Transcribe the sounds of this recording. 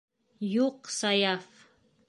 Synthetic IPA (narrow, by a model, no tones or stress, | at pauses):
juqsajaf